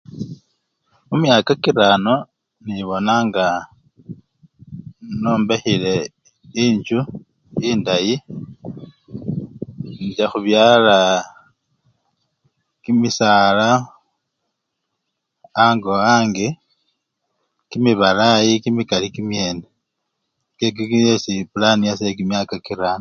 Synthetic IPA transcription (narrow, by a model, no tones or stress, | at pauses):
mumjaːkakiɾano̞ | niβo̞naːŋɡa | noːmbexile̞ | iɲd͡ʒu | iːndaji | nd͡ʒaxuβjaːla | kimisaːla | ŋɡoaːŋɡe | kimiβalajikimikalikimje̞ːne | kek̬ikiesipulanijasekimjakakiɾan